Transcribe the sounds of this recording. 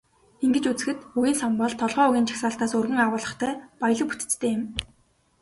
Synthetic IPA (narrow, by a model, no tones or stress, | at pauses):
iŋɡɘ̆t͡ɕut͡sɘ̆xɘ̆t̪ujiːnsɔmpɔːɮt̪ʰɔɮʁœːuɣʲiːnt͡ɕʰḁxsaːɬt̪aːsɵrɣɘ̆ŋawʊːɮə̆χt̪ʰœːpaj̆ɮə̆pu̥t̪ɘ̥̆t͡st̪ʰeːɪ̆m